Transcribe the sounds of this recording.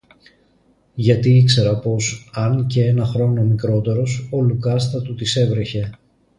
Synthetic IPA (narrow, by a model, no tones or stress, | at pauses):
ʝɐt̪iikse̞ɾɐpo̞sɐnce̞enɐxɾo̞nomikɾo̞t̪e̞ɾo̞so̞lukɐst̪ɐt̪ut̪ise̞vɾe̞çe̞